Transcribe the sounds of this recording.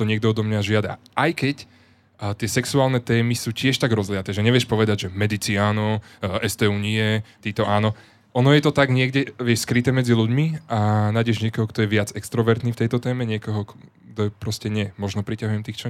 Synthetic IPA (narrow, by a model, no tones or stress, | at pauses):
t̪ɔɲɪɛɡ̚d̪ɔɔd̪ɔmɲaʒɪad̪a̰ʔajkɛc | t̪ɪɛsɛksuaːlnɛt̪ɛːmisuːcɪɛʃt̪aɡɾɔzlɪat̪ɛːʒɛɲɛʋɪjɛʃpɔʋɛd̪aɟʒɛmɛd̪it͡siaːnɔɛst̪ɛːuɲiɛt̪iːt̪ɔʔaːnɔ | ʔɔnɔjɛt̪ɔt̪aɡɲɪɛɡɟɛʋɪɛʃskɾit̪ɛːmɛd͡ziluɟmiʔanaɟɛʒɲɪɛkɔɦɔkt̪ɔjɛʋɪad͡zɛkst̪ɾɔʋɛɾt̪niːft̪ɛjt̪ɔt̪ɛːmɛɲɪɛkɔɦɔk | t̪ɔɛpɾɔscɛɲɪɛmɔʒnɔpɾicaɦujɛmt̪iːxt͡ʃɔ